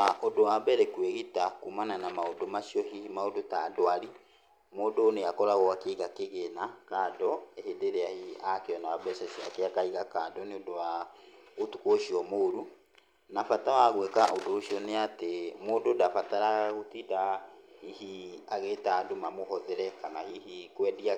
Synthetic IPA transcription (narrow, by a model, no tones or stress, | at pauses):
aʔodowabɛɾɛkweɣitakumananamaodomasiɔɦihimaodotadoaɾi | moːdoneakɔɾaɣɔakeɣakeɣenakaːdɔehedeɾeahiakeɔnaabɛsasiakeakaiɣakadɔneodowaotukoʃiɔmoːɾu | nafatawaɣwɛkaʔodooʃiɔneatemoːdodafataɾaɣaɣotidahihiaɣetadomamoɦɔðɛɾɛkanahiɦikwɛdia